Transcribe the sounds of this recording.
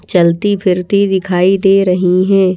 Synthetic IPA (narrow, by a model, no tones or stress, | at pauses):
t͡ʃɐlt̪ipʰɪɾt̪id̪ɪkʰaːid̪eːɾɐɦiɦɛ̃ː